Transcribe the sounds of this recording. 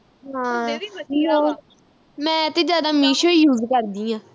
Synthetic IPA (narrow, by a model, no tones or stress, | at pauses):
ɦãː | oː | mɛ̃ːt̪eːd͡ʒjaːd̪aːmiːʃoijuːzkəɾd̪iːãː